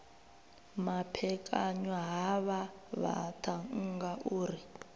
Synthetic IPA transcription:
mapʰɛkʼaɲwaɦaβa | βa̰tʰaŋ̩ŋɡaʔuːɾi

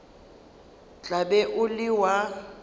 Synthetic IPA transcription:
t͡ɬʼaɓɛʔʊlɪwa

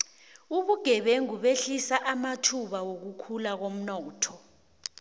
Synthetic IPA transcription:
uɓuɡ̥ʱɛɓeŋuɓeɬisaʔamatʰuɓawok̬ukʰulak̬om̩nɔːtʰɔ

